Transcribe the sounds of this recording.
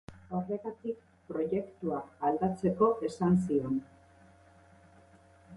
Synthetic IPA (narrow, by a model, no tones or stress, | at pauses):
awre̞ɣat̪ik | pɾo̞ʝe̞kt̪uaːld̪at͡se̞ko̞ʔe̞sans̬io̞n